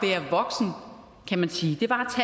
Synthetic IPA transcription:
ʋeɐʋɒ̽ɡ̥sn̩ | kʰæmænsiːd̥e̝ʋɑ̈t͡sʰɛ

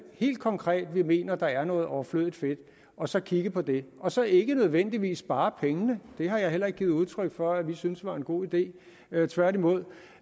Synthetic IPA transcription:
he̝̰ːld̥̚kʰɒ̽ŋkʰʁɛ̰ːd̥ʋime̝̰ːnɐd̥ɑ̈æɐnɔ̽ːð̞̩ˠɒʊɐflø̰ð̰ˠid̥fe̝d̥ | ɒ̽sɒ̽kʰiɡ̥əpʰɒ̽d̥e̝ʔɒ̽sɒ̽ʔe̝ɡ̥ənøð̞ˠʋen̰d̥iʋḭːsb̥ɑ̈ːpʰeŋənəd̥e̝ɦɑ̈jɑ̈ɪɦel̰ɐeɡ̚ɡ̥iːð̩ˠuðˠt͡sʰʁœɡ̥fɒ̽æʋisynsd̥ʋɑ̈e̝nɡ̥o̝̰ːid̥e̝̰ː | t͡sʰʋæɐd̥imo̝ð̰ˠ

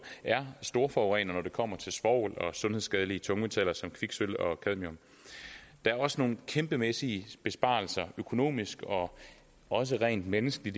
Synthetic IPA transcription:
æɐsd̥o̝ːɐfɒʊʁɛ̰nɐnɒd̥e̝kʰɒ̽m̰ɐt͡sʰe̝lsʋɒʊ̰lɒ̽sɔ̽nhe̝ðˠsɡ̥ɛð̞ˠəliət͡sʰɔ̽ŋet͡sʰɛl̰ɐsɒ̽mkʰʋiɡ̥sølɒ̽kʰæð̞̰ˠmiɔm | d̥ɑ̈æɐɒ̽səno̝ːn̩kʰemb̥əmesiəb̥e̝sb̥ɑ̰̈ːl̩sɐøkʰo̝no̝̰ːmisɡ̥ɒ̽ | ɒ̽s̬əʁɛ̰ːnd̥menəsɡ̥əlid

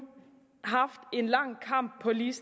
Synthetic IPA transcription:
ɦɑfd̥e̝nlɑŋkʰɑmb̥̚ʰːɔliːs

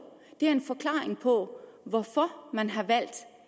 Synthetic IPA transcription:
d̥e̝æɐe̝nfɒ̽kʰlɑ̰̈ːeŋpʰɒ̽ʋɒfɒmænɦɑ̈ʋæl̰d̥

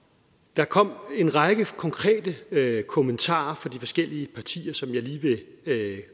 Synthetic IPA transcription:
d̥ɑ̈kʰɒ̽m̰e̝nʁɑɡ̥əkʰɒ̽ŋkʰʁɛ̰ːd̥əkʰo̝mənt͡sʰɑ̰̈ːɐfɒ̽d̥ifɒ̽sɡ̥el̰iəpʰɑ̈t͡sʰḭːɐsɒ̽mjɑ̈ɪliːʋe̝

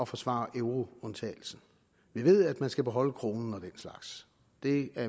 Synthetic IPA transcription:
ɒ̽fɒ̽sʋɑ̰̈ːʔeʊʁo̝ɔ̽nt͡sʰɛ̰ːl̩sn̩ | ʋiʋe̝ð̞̰ˠæd̥mænsɡ̥æb̥e̝ɦɒ̽l̰əkʰʁo̝ːnn̩ɒ̽d̥en̰slɑ̈ɡ̥s | d̥e̝æɐ

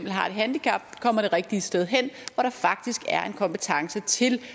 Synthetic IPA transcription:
m̰̥l̩ɦɑ̈e̝d̥ɦænd̥ikʰæb̥̚kʰɒ̽m̰ɐɾ̥e̝ʁeɡ̥̚d̥iəsd̥eð̞ˠɦen̰ʋɒɾ̥ɑ̈fɑ̈ɡ̥̚d̥isɡ̥æɐʔe̝nkʰɒ̽mpe̝t͡sʰɑ̈ŋsət͡sʰe̝l

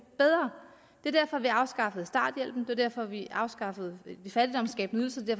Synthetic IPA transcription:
b̥eð̞ˠʁɐ | d̥e̝ɐd̥æɐ̰fɒ̽ʋiɑ̈ʊsɡ̥ɑ̈fəð̞̩ˠsd̥ɑ̰̈ːd̥jel̰b̥n̩d̥e̝ɐd̥æɐ̰fɒ̽ʋiʔɑ̈ʊsɡ̥ɑ̈fəð̞̩ˠdifæd̥id̥ɒ̽msɡ̥ɛ̰ːb̥n̩yðˠl̩sə̥edæɐf

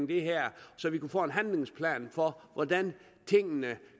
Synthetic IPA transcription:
ŋd̥e̝ɦæɐ̰sɒ̽ʋikufɔ̰ːe̝nɦænle̝ŋspʰlɛ̰ːnfɒ̽ʋʔɒd̥æn | t͡sʰe̝ŋ̰nə

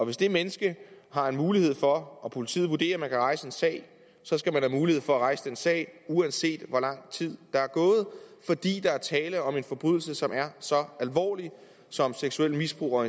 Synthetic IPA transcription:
ɒ̽ʋe̝sd̥e̝menəsɡ̥əɦɑ̈e̝nmuːlihe̝ð̞̰ˠfɒ̽ɒpʰo̝lit͡sʰḭːð̩ˠʋud̥e̝̰ːɐmænkʰæʁɑ̈ɪsəe̝nsɛ̰ɪ | sɒ̽sɡ̥æmænhæmuːlihe̝ð̞̰ˠfɒ̽æʁɑ̈ɪsəd̥ensɛ̰ːɪuænse̝̰ːd̥ʋɒlɑ̈ŋ̰t͡sʰið̞̰ˠd̥ɑ̈æɐɡ̥ɔ̽ːð̞̩ˠfɒ̽d̥ḭːd̥ɑ̈æɐt͡sʰɛːləɒ̽me̝nfɒ̽b̥ʁyðˠl̩səsɒ̽mæɐsɒ̽ælʋɒ̰ːli | sɒ̽mseɡ̥suel̰misb̥ʁṵːɒ

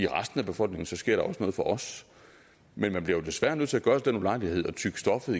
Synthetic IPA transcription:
iʁɑsd̥n̩æb̥e̝fɒ̽l̰ɡ̥ne̝ŋn̩sɒ̽sɡ̥e̝ɐ̰ɾ̥ɑ̈ɒ̽səno̽ːð̩ˠfɒ̽ʔɒ̽s | menmænb̥liɐjo̝d̥e̝sʋæɐnøðˠt͡s̝ʰæɡ̥ɶɐsd̥enulɑ̈ɪlihe̝ð̞̰ˠɒ̽t͡sʰyɡ̥əsd̥ɒ̽fð̩ˠi

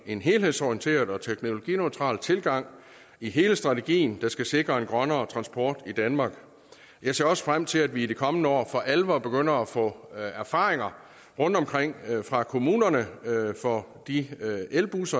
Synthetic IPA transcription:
e̝nɦe̝ːlhe̝ðˠsɒiənt͡sʰe̝̰ːɐðˠɒ̽t͡sʰeɡ̥no̝lo̝ɡ̥ḭnøɪt͡sʰʁɑ̰̈ːlt͡sʰe̝lɡ̥ɑ̈ŋ̰ | iɦe̝ːləsd̥ʁɑ̈t͡sʰe̝ɡ̥ḭːn̩d̥ɑ̈sɡ̥æse̝ɡ̥ʁɐe̝nɡ̥ʁɶnɐːt͡sʰʁɑ̈nsb̥ɒ̰ːd̥id̥ænmɑ̈ːɡ̥ | jɑ̈ɪse̝ɐɒ̽sə̥fʁam̰t͡sʰe̝læd̥ʋiːd̥e̝kʰɒ̽mnəɒ̰ːfɒ̽ʔælʋɐb̥e̝ɡ̥øn̰ɐæfɔ̰̽ːæɐfɑ̈ːʁeŋɐ | ʁɔ̽n̰d̥ɒ̽mkʰʁeŋ̰fʁɑ̈kʰo̝muːnɐnəfɒ̽ | d̥ielb̥usɐ

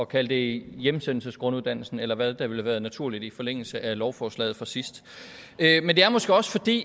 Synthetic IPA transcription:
ɒ̽kʰæl̰d̥e̝jemsen̰l̩səsɡ̥ʁɔ̽nuð̞ˠd̥ænl̩sn̩elɐʋæðˠd̥ɑ̈ʋe̝læʋæːɐðˠnæt͡sʰuɐ̰lid̥ifɒ̽leŋ̰l̩səʔælɒʊfɒːslɛ̰ːð̩ˠfɒ̽sisd̥ | ømend̥e̝æɐmɒ̽sɡ̥əɒ̽sfɒ̽d̥ḭː

